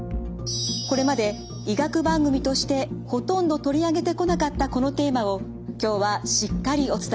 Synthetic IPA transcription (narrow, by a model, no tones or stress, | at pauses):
ko̞ɾe̞mad̪e̞ | iɡakɯ̟bãŋɡɯ̟mʲit̪o̞ɕi̥t̪e̞ho̞t̪õ̞nd̪o̞t̪o̞ɾʲiaɡe̞t̪e̞ko̞nakat̪ːako̞no̞t̪e̞ːmao̞ | kʲo̞ːβaɕikːaɾʲio̞t͡sɨ̥t̪a